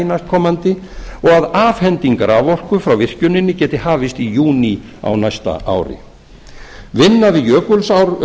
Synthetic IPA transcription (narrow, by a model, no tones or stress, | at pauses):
nast̪kʰɔːmant̪ɪɔɣaðaːvhɛnt̪iŋkaɾavɔr̥kʏfɾawvɪr̥cʏnɪnːɪcɛːt̪ɪhaːvɪst̪ijuːni | a̰wnajst̪a̰ʔa̰ːwɾɪ̰ | vɪnːaðɪjœːkʏlsawɾ